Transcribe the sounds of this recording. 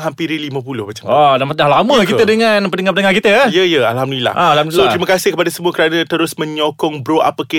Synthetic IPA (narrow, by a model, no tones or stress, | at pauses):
ɦampiɾilimə̃p̬ulʊhmat͡ʃamadamat̪̚dahlamə̃k̬it̪ədəŋãnpənəŋapənəŋakit̪əjəjəa̰lhamdulila̰hãlamot̪ɾimə̃kasɪhkəpadasəmuakəɾanãt̪əɾʊsmə̃ɲɔkɔŋbɾoa̰pəke